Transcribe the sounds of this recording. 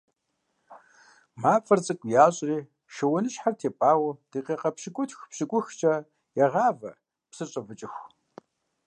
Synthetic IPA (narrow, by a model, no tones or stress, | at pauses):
maːfʼɐrt͡sʼɨkʷʼjaːɕʼreː | ʃɐwɐnɨʃħartʰeːpʼaːwɐd̥eːqeːqɐpʃɪkʷʼʊtʰxpɕɪkʷʼʊxt͡ʃʼɐ | jɛʁaːvɐ̰ | psɨɕʼɐvɨt͡ʃʼɪxʷ